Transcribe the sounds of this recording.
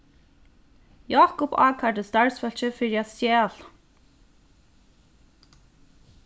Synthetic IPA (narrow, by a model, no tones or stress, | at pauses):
jaːkʊpa̰ːkʰaɖəst̪aɹsfœl̥çəfɪɹjasjɛːl̥